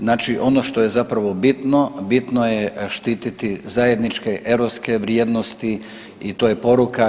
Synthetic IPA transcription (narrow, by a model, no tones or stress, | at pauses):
znaːt͡ʃiʔo̞no̞ʃt̪ojezapɾaʋo̞bit̪no̞bit̪nojeʃt̪iːt̪it̪izaje̞d̪nit͡ʃkeʔeɾoske̞ʋɾjeːd̪nost̪i | it̪oːjepo̞ɾuka